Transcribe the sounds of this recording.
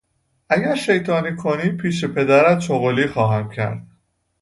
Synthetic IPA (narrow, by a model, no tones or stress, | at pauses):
ʔæɟæɾʃe̞jt̪ʰɒːniːkʰoniːpʰiːʃe̞pʰe̞d̪æɾæt̪̚t͡ʃoɣoliːxɒːɦæmcʰæ̰ɾd̪̥̚